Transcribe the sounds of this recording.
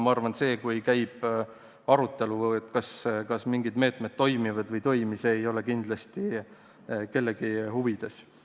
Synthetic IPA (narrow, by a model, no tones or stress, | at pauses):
mɑɑrvɑnse̞ːkujkæjb̥ | ɑɾut̪ːˑe̞luet̪ˑkɑskɑsmiŋɡid̪me̞ːt̪ˑmed̪̥̚t̪ːo̞jmivɑd̪vɤjt̪o̞jmiseːjo̞lekind̪̥lɑst̪i | ke̞lːe̞ɡ̥ihuvid̪̥e̞s